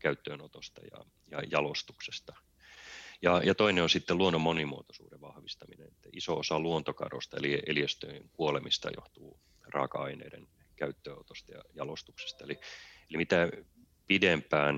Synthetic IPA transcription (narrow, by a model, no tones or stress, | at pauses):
kæyt̪ːøːnot̪ost̪ɑjɑ̰ | jɑjɑlost̪uksest̪ɑ | jɑjɑt̪oineonsit̪ːeluonːomːonimuot̪o̥suːdeʋʋɑhʋist̪ɑminḛnet̪ːæisoosɑluont̪okɑ̰ro̰st̪ɑḛliʔeliest̪øŋkuolemist̪ɑ̰jo̰ht̪uː | rɑ̰ːkɑɑinḛidḛn | kæyt̪ːøːot̪ost̪ɑjɑ̰jɑlost̪ukse̥st̪ɑelielimit̪æ | pidempæːn